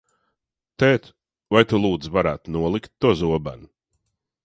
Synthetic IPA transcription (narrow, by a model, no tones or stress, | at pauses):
t̪ɛːt̪ | vajt̪ulˠuːd̪zvaɾaːt̪nuɔlˠikt̪ːuzuɔba̰n